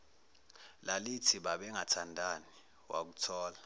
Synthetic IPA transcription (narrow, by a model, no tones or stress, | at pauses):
lalitʰiɓaɓɛŋatʰandʱani | wa̰k̬utʰɔːla